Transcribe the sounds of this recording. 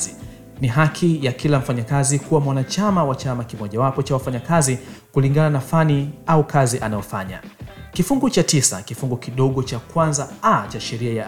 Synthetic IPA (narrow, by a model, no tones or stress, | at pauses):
niɦakʰijakilam̩faɲakazikuwamwanat͡ʃamawat͡ʃamakimɔʄawapɔt͡ʃawafaɲakazikuliŋɡananafaniaukʰaziʔanajɔfaɲa̰kifuŋɡut͡ʃatisa̰kifuŋɡukiɗɔɠɔt͡ʃakwanzaat͡ʃaʃɛɾiaja